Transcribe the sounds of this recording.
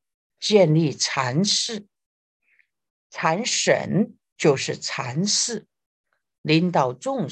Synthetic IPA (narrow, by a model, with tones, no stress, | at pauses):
t͡ɕjɛ˥˧nli˥˩t͡sʰa˧˥nʂɻ̩˥˩ | t͡sʰa˧˥nʂə̰˨˧˩n | t͡ɕjo˥˧ʊʂɻ̩˥˩t͡sʰa˧˥nʂɻ̩˥˩ | li˧˥nt̪ɑ˨˩ʊʈ͡ʂʊ˥˧ŋ